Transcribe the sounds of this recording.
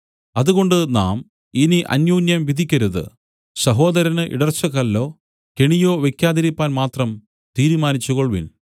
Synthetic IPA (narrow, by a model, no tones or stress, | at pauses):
ɐðuɣo̞ɳɖɨna̰ːm | iniʔɐ̰njuːnjɐmʋid̪ʱikʲːɐɾuðɨ̰ | sɐɦo̞ːd̪ɐɾɐnɨʔḭɽɐrt͡ɕːɐɣɐlːo̞ː | ke̞ɳijo̞ːʋe̞kʲjaːðɐɾipːaːnmaːt̪rɐm | t̪iːɾumaːnit͡ɕːuɣoɭʋḭn